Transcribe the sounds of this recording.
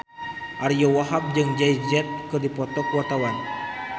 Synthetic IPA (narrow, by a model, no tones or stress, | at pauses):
ʔaɾijowaɦap̚d͡ʒɨŋd͡ʒaid͡ʒɛt̪̚kɨdipɔt̪ɔkwat̪awan